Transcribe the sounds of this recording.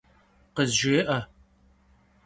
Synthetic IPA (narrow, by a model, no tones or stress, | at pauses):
qəzʒɪʔɐ